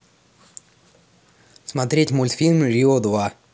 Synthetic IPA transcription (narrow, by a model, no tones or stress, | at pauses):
smat̪ɾʲetʲmɔlʲt̪fʲilʲmʐʲiɔd̪ʋa